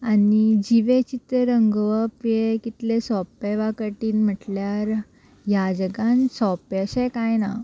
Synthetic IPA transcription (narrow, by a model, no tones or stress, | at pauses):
anid͡ʑiʋet͡ɕit̪əɾəŋɡʋəpjekit̪lesɔpeʋakəʈiːnm̤əʈljaɾ | jad͡ʑəɡansɔpəɕekajna